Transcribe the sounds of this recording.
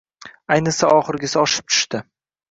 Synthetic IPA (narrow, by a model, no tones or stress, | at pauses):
ajnɪsaʔɒχɨɾɡʲɪsɪɒʃɪ̥p̚t͡ʃ̪ʰʊ̥ʃt̪ɪ